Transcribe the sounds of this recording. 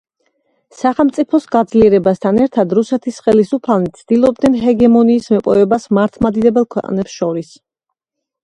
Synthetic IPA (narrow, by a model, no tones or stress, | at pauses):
saχɛlˠmt̪sʼipʰɔsɡad̪zliɛɾɛbast̪ʰanɛɾt̪ʰad̪ɾusɛt̪ʰisχɛlisupʰalnit̪sʰd̪̥ilˠɔb̚d̪nɛnɦɛɡɛmɔniːsmɛpʼɔvɛbasmaɾt̪ʰmad̪id̪ɛbɛlˠkʰwɛ̰qʼnɛpsʃɔɾis